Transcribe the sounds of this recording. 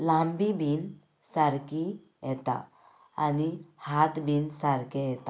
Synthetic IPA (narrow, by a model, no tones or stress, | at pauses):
lãmbibʱin | saɾki | jɛt̪a̰ː | nihat̪bʱinsaɾkeɛt̪a